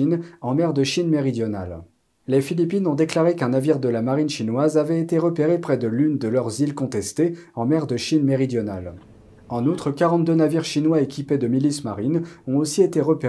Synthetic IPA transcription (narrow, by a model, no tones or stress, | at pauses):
inɑ̃mɛʁd̪əʃinmeʁid̪jɔna̰l | lefilipinɔ̃d̪eklaʁekɛ̃naviʁd̪əlamaʁinʃinwazavɛet̪eʁəpeʁepχɛd̪əlynd̪əlœʁzilkɔ̃t̪ɛst̪eɑ̃mɛʁd̪əʃinmeʁid̪jɔna̰l | ɑ̃nut̪χəkaʁɑ̃t̪̚d̪ønaviʁʃinwaekʲiped̪əmilismaʁinɔ̃osiet̪eʁəpe